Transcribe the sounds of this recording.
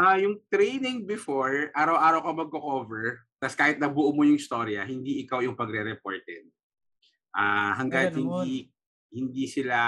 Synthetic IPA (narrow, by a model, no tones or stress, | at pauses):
ʔajʊŋt̪ɾejnɪŋbɪfoɹʔaːɾɐwʔaːɾɐwkɐmɐɡ̚kːokoːvɛɹt̪ɐskaːhɪt̪̚nɐbʊʔumojʊŋɪst̪oːɾiɐhɪnd̪iʔɪkawjʊŋpɐɡɾɛɾɛpoɹt̪ɛ̰d̪̚ | ʔaɦɐŋɡat̪hɪnd̪i | hɪnd̪isɪla